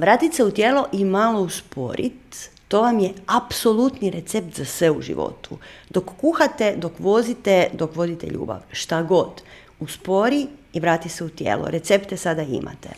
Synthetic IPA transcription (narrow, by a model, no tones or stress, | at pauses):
ʋɾaːt̪it̪seut̪jeːloʔimalo̞uspo̞̰ɾʔḭt̪ː | o̞ʋamjeapso̞lˠut̪niɾet̪sep̚t̪zasʋe̞uʒḭʋo̞̰t̪ṵd̪o̞kːuxat̪ed̪o̞kʋo̞zit̪ed̪o̞kʋod̪it̪ḛʎṵːba̰ʋʃt̪aɡo̞d̪ | uspo̞ɾiiʋɾaːt̪iseut̪jḛːlo̰ɾe̞t̪se̞pt̪esad̪aḭmʔa̰t̪ḛ